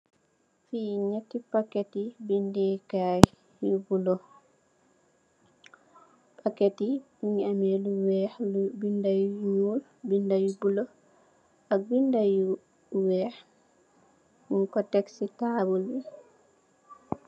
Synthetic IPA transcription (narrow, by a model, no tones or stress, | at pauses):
fiːɲatːipakːetibindika | jubulɔ | pʰaketi | iŋamɛluwɛbindajjul | bindajubulɔ | ak̚bindaju | wɛɾ | muŋkɔtɛksitaːbulwi